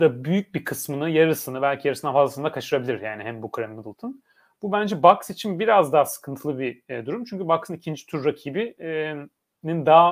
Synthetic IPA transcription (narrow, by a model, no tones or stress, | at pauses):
d̪abyjyc̚bikʰɯsmɯnɯjaɾɯsɯnɯbælʲcʰijaɾɯsɯnanfazlˠasɯnd̪akʰat͡ʃʰɯɾabilʲiɾjaːniɦɛmbukɾɛmːɯd̪ɯlˠt̪ʰɯn | b̥ubænd͡ʒɛbaksit͡ʃʰinbiɾazd̪aːsɯ̥kʰɯnt̪ʰɯlˠɯbid̪uɾumt͡ʃʰyɲcybaksɯnicʰind͡ʒi̥t̪ʰyɾːacʰiːbi | nind̪aː